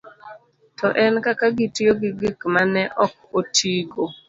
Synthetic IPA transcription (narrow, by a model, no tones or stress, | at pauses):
tɔʔɛnkakaɡɪtɪoɡɪɡɪkmanɛʔɔk̚otʰiɡo